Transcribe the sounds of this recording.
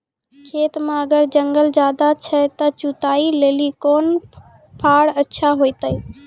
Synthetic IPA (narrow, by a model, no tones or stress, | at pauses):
kʰeːt̪mẽəɡəɾd͡ʒəŋɡəld͡ʒaːd̪at͡ʃʰət̪ət͡ʃut̪ailelikon | pʰaɽətːʃʰaɦojt̪əj